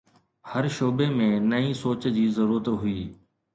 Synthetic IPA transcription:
həɾʃoːbemẽnɐĩːsoːt͡ɕd͡ʑiːzəɾuːɾət̪ɦʊiː

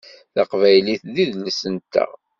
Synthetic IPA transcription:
θɑqvæjliθðiðləsənt̪ːæ̰

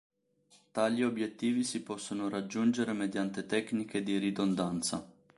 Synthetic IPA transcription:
t̪aliobːjet̪ːiːvisipɔsːonoɾad͡ʒːund͡ʒeɾemed̪jant̪et̪ɛkniked̪iɾid̪ond̪ant̪sa̰

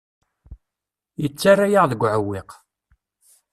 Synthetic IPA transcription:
jət͡sːarːajaʁðəɡʷːʕəwːɪq

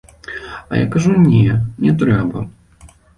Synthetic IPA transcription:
ɐ̰ja̰kaʐunʲɛnʲɛt̪ɾɛbɐ̰

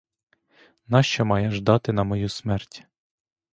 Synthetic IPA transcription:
nɑʃt͡ʃɔmɑjɛʒd̪ɑt̪ɪnɐmɔjusmɛrtʲ

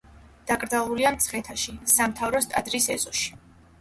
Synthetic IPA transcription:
d̪̥akʼɾd̪zalˠuliamt̪sʰχɛt̪ʰaʃisamt̪ʰavɾɔst̪ʼad̪ɾisɛzɔʃi̥

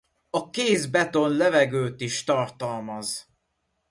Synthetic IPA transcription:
ɒkeːzbɛt̪o̞nlɛvɛɡøːt̪iʃt̪ɒrt̪ɒlmɒz

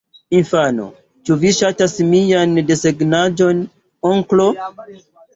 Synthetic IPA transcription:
infano̰ | t͡ʃuviʃatasmijande̞seɡnad͡ʒo̞n | oŋklo̞

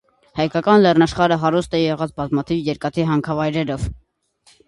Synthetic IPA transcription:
hɑjkɑkɑnlɛrnɑʃχɑɾəɦɑɾust̪ɛjɛʁɑt͡sbɑzmɑt̪ʰivjɛɾkɑt̪ʰiɦɑŋkʰɑvɑjɾɛɾɔv̥

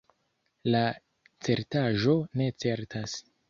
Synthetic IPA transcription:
la | t͡se̞ɾtaʒo̞ne̞t͡se̞ɾtas

